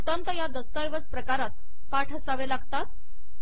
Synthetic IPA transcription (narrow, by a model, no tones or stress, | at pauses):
ut̪ant̪əjad̪əst̪ajʋət͡spɾəkaɾat̪ | paʈʰəsaʋelaɡt̪at̪̚